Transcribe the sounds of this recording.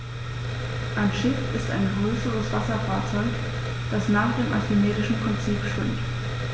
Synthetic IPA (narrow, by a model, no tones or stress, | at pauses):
ʔanʃɪfɪsta̰ɪnɡʁøːsəʁəsv̥asɐfaːɐt͡sɔʏk | d̥asnaːχd̥eːmʔasymeːzɪʃn̩pʁ̥ɪnt͡siːpʃv̥ɪmt